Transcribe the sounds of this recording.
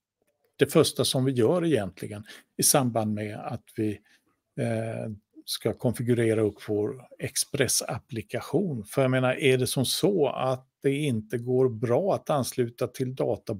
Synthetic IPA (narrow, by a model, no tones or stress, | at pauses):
d̪̥ɛfœʂʈasɔmvɪjœːɾɛjɛnt̪ʰlɪɡənɪsamband̪mɛa̰t̪vɪ | skakʰɔnfɪɡɵɾeːɾaɵpːv̥oːɾɛkspɾɛsa̰plɪkaɧuːnfœɾjameːnaɾʔæɖɛsɔmsɔa̰t̪̚d̪̥ɛɪnt̪əɡoːɾbɾɑːat̪anslʉ̟ːt̪at̪ʰɪld̪ɑːt̪a